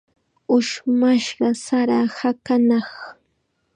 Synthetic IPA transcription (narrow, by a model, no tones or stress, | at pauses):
ʊʃmaʃɢɑsaɾahakanɑχ